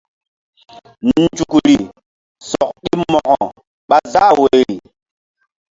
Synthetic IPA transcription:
nn˦˨˦d͡ʒu˨kɾi˨ | sɔ˨k̚ɗi˦mɔ˨ʔɔ˨ | ɓa˦za˦˨we˨

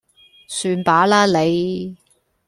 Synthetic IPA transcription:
syː˧npaː˨˥laː˥le˨˧j

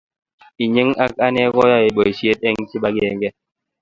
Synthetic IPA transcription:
i˨ɲi˦ŋa˦ka˦nɛ˦kɔ˦ja˦e˨ɓo˨i˨sje˦t̚ɛ˦ŋ˦ti˦ɓa˦ɡe˦˨ŋ˦ɡɛ˦

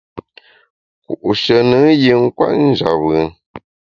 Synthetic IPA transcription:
kṵ˨ʔu˨ʃə˨nə˨˦ji˨ŋ̩˦kwa̰˦tn̩˦d͡ʒa̰˨wɯ˨

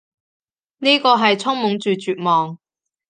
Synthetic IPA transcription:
niː˥kɔː˧ɦɐ˨jt͡sʰʊ˥ŋmʊ˨˥ŋt͡ʃyː˨t͡ʃyː˨t̚mɔː˨ŋ

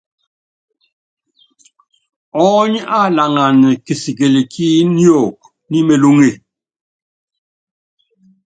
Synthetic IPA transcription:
ɔ˦ɲa˦˨la˨ŋa˨n˨ke˨si˨ɡe˨le˨kʰi˦njɔ˦˨k̚ | ni˦me˨lo˦ŋe˨

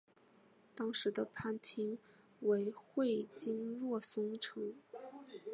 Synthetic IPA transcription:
t̪ɑ˥ŋʂɻ̩˧˥d̪ə˧pʰa˥˩nt̪ʰi˥ŋ | we˧˥ɪxwe˥˩ɪt͡ɕi˥ŋlwɔ˥˩sʊ˥ŋʈ͡ʂʰɤ˧˥ŋ

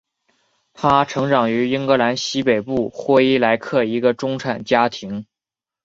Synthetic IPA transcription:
t̪ʰa˥ʈ͡ʂʰɤ˧˥ŋʈ͡ʂɑ˨˩ŋy˧˥i˥ŋkɤ˧˥la˧˥nɕi˥pe˨˩ɪpu˥˩xwɔ˥i˥la˧˥ɪkʰɤ˥˩i˧˥ɡə˧ʈ͡ʂʊ˥ŋʈ͡ʂʰa˨˩nt͡ɕja˥t̪ʰi˧˥ŋ

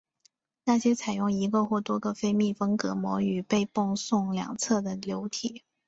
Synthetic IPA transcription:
na˥˩ɕjɛ˥t͡sʰa˨˩ɪjʊ˥˩ŋi˧˥ɡə˧xwɔ˥˩t̪wɔ˥ɡə˨fe˥˧ɪmi˥˩fə˥ŋkɤ˧˥mwɔ˧˥y˨˩pe˥˧ɪpʊ˥˧ŋsʊ˥˩ŋljɑ̰˨˩ŋt͡sʰɤ˥˩d̪ə˩ljo˧˥ʊt̪ʰi˨˩˦

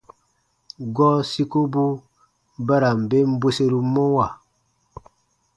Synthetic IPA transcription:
ɡɔ˦si˦ko˦bu˦ | ba˦ɾa˨m̩˨be˦m̩˦bwe˦se˦ɾu˨mo˦wa˨

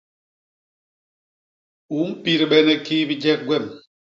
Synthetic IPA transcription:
u˨˦m̩˦pi˦ɾi˨ɓɛ˦nɛ˨kiː˦bi˦d͡ʒɛ˦k̚ɡwɛ˦˨m

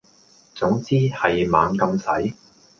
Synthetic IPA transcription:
t͡sʊ˨˥ŋt͡siː˥hɐ˨jma̰ː˨˧ŋkɐ˧msɐ˨˥j

